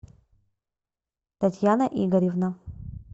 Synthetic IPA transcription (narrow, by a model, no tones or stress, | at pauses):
tʰatʰjanɐʔiɡɐɾivna